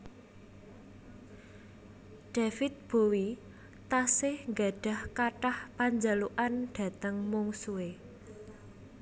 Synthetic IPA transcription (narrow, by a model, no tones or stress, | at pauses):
ɖ̥a̤fɪt̪̚b̥o̤wi | t̪asɪhŋɡaɖ̥a̤hkaʈahpaɲd͡ʒaluʔanɖ̥ä̤t̪əŋmuŋsuwe